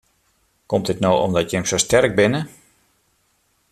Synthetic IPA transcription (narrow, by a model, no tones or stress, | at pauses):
kɔmtɪtnowʔɔ̰mdɔtjɛmsoːstɛrɡ̚bɪnə